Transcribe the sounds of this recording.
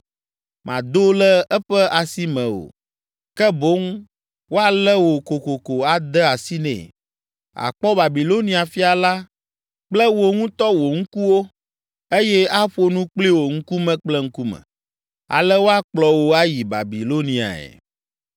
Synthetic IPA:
mã̰˨d̪o˦lɛ˦ɛ˦ɸɛ˦a˨si˦mɛ̃˨o̰˨ | kɛ˦bo˦ŋ | wo˦a˦lɛ˦wo˨ko˨ko˨ko˨a˨d̪ɛ˦a˨si˦nɛ̰̃˦˨ | a̰˨k͡pɔ˦ba˨bi˨lo˦nĩ˨a˨fi˦a˨la˦ | k͡plɛ˦wo˨ŋũ˦t̪ɔ˦wo˨ŋ̩˦ku˦wo˦ | e˦jɛ˦a˦ɸo˦nũ˦k͡pli˦wo˨ŋ̩˦ku˦mɛ̃˦k͡plɛ˦ŋ̩˦ku˦mɛ̰̃˨ | a̰˨lɛ˦wo˦a˦k͡plɔ˨wo˦a˦ji˨ba̰˨bi˨lo˦nĩ˨a̰˨ɛ̰˨

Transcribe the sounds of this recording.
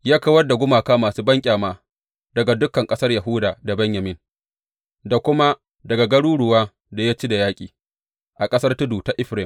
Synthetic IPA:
jaː˦kɐ˦wɐ˦rda˨ɡʷʊ˦maː˨kaː˦maː˨suː˦bɐ˦ŋkʲʼaː˨maː˦ | dɐ˨ɡa˨dʊ˦kːɐ˨ŋkʼɐ˦sɐ˦rja˨ɦʊː˦daː˨da˨bɐ˦ɲjɐ˨mɪ˦n | da˨kʷʊ˦ma˦ | dɐ˨ɡa˨ɡɐ˦ɽuː˦ɽʊ˨waː˦ | da˨ja˦t͡ʃi˦da˨jaː˦kʲʼiː˨ | ʔa˨kʼɐ˦sɐ˦rtʊ˦duː˨ta˦ʔɪ˦ɸɾɪ˨m

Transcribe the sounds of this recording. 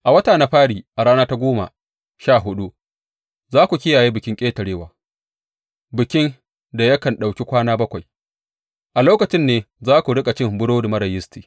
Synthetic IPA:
ʔa˨wɐ˦taː˨na˦ɸaː˦ɽiː˨ʔa˨ɽaː˦naː˦ta˦ɡʷoː˦ma̰˨ | ʃaː˦˨ɦʊ˦ɗu˦ | zaː˦kʷu˨kʲɪ˦jaː˨jiː˦bɪ˨kʲɪ˦ŋkʲʼeː˦tɐ˨ɽeː˦waː˨ | bɪ˨kʲɪ˦n | da˨jɐ˦kɐ˨nɗa˨wkʲi˦kʷaː˦naː˦bɐ˦kʷa˨j | ʔa˨loː˦kɐ˨t͡ʃɪ˦nːeː˦ | zaː˦kʷu˨ɽɪ˦kʼa˨t͡ʃɪ˦mbʊ˦ɽoː˦da˨mɐ˦ɾɐ˨jɪ˦stiː˨

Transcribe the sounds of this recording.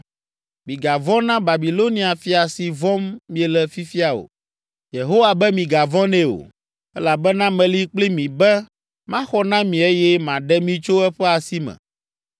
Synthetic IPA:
mĩ˨ɡa˨vɔ̃˦nã˦ba˨bi˨lo˦nĩ˦a˨fi˦a˨si˨vɔ̃˦mːĩ˦ɛ˨lɛ˨fi˦fi˦a˨o̰˨ | je˨ɦo˦wa˨bɛ˦mĩ˨ɡa˨vɔ̃˦nɛ̃˦o̰˨ | ɛ˦la˨bɛ˦nã˦mɛ̃˨li˦k͡pli˦mĩ˨bɛ˦ | mã˦xɔ˦nã˦mĩ˨e˦jɛ˦mã˨ɖɛ˦mĩ˨t͡ʃo˦ɛ˦ɸɛ˦a˨si˦mɛ̰̃˨

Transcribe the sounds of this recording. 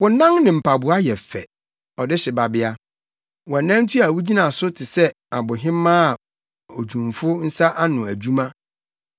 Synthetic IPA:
wɔ̃˨˦nã˦ŋnɪ̃˨m̩˨pʰa˨bʊ˨a˦jɛ˨fɛ̰˨ | ɔ˨dɪ˦ɕɪ˨ba˨bɪ˦a˦ | wɔ̃˨nã˦n̩˦tʰu˦a˨wu˦d͡ʑi˦nã˨sʊ˦tʰɪ˨sɛ˦ | a˨bʊ˨ɦɪ̃˦mã˦˨ | o˨d͡ʑᶣũ˨mfʊ˦n̩˦sa˦ʔa˦nʊ̃˨æ˨d͡ʑᶣu˦mã˦

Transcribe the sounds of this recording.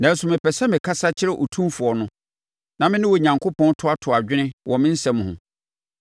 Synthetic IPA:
nã˨n̩˦sʊ˨mɪ̃˨pʰɛ˨sɛ˦mɪ̃˨kʰa˦sa˦t͡ɕʰɪ˦ɾɛ˦˨ʔo˨tʰũ˦fʊ˨ɔ˨nʊ̃˦ | nã˨mɪ̃˦nɪ̃˦wo˨ɲã˨ŋkʰo˦pʰɔ̃˦ntʰʊ˦a˦tʰʊ˨a˨d͡ʑᶣɪ˦nɪ̃˦wʔɔ˨mɪ̃˦n̩˦sɛ̃˨˦m̃˨hʊ̰̃˨

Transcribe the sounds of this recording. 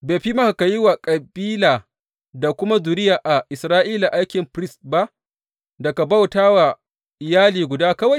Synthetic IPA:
beː˨ɸi˦ma˦ha˨ka˨ji˦wa˨kʼɐ˨biː˦laː˨ | da˨kʷʊ˦ma˦zu˨ɾɪ˦jaː˨ʔa˨ʔɪ˨sɾaː˦ʔiː˦la˨ʔa˦jkʲɪ˨mɸɾɪ˦stba˦ʔ | dɐ˨ka˨ba˦wtaː˦wa˨ | ʔɪ˨jaː˦liː˨ɡʷʊ˨daː˦kɐ˦wa˨j

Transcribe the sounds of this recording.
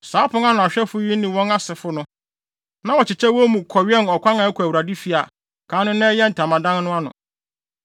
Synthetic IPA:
saː˨˦pʰʊ̃˦ŋa˦nʊ̃˨a˨ɕᶣɛ˦fʊ˦ji˦nĩ˨wɔ̃˦na˦sɪ˨fʊ˦nʊ̃˦ | nã˦wɔ˨t͡ɕʰɪ˨t͡ɕʰɛ˦wɔ˦mũ˨kʰɔ˨ɥɛ˦˨nɔ˨kʷʰã˦ŋã˨æ˦kʷʰæ˨wu˨ɾa˨di˦fi˦a˨ | kʰãː˨˦nʊ̃˦nɛ̃˦jɛ˦n̩˨tʰa˨mã˨dã˦nnʊ̃˦a˦nʊ̰̃˨

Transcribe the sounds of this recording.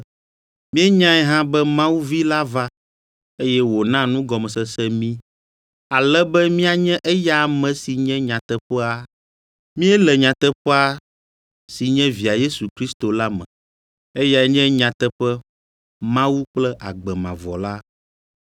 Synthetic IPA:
mĩ˦ɛ˦ɲã˦ɛ˦ɦã˦bɛ˦mã˦wu˦vi˦la˦va˦ | e˦jɛ˦wo˨nã˦nũ˦ɡɔ˨mɛ˨sɛ˦sɛ˦mĩ˦ | a˨lɛ˦bɛ˦mĩ˦a˨ɲɛ̃˦ʔɛ˦ja˦˨mɛ̃˨si˨ɲɛ̃˦ɲã˨t̪ɛ˦ɸɛ˦a˦˨ | mĩ˦ɛ˦lɛ˨ɲã˨t̪ɛ˦ɸɛ˦a˦ | si˨ɲɛ̃˦vi˨a˨je˦su˨kɾi˦st̪o˨la˦mɛ̰̃˨ | e˦ja˨ɛ˦ɲɛ̃˦ɲã˨t̪ɛ˦ɸɛ˦ | mã˦wu˦k͡plɛ˦ʔa̰˨ɡ͡bɛ˨mã˨vɔ̰˨la˦

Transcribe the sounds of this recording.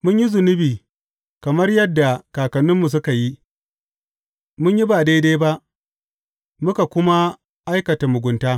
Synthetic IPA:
mʊ˦ɲji˦zʊ˨nɪ˦biː˨ | kɐ˨mɐ˦rjɐ˦dːa˨kaː˨kɐ˨nːʊ˦mːu˨s̬ʊ˦ka˨ji˦ | mʊ˦ɲji˦ba˨deː˦deː˦ba˦ʔ | mʊ˦ka˨kʷʊ˦ma˦ | ʔa˦jkɐ˨ta˨mʊ˨ɡʷʊ˨˦ntaː˦

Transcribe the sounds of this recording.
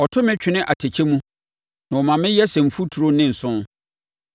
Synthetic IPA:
ɔ˨tʰʊ˦mɪ̃˦t͡ɕᶣɪ˨nɪ̃˦ʔa˨tʰe˨t͡ɕʰe˦mũ˦ | nã˨ɔ˨mã˨mɪ̃˦jɛ˦sɛ̃˨m̩˨fu˦tʰu˨ɾo˦nɪ̃˦n̩˨sʊ̃˦n

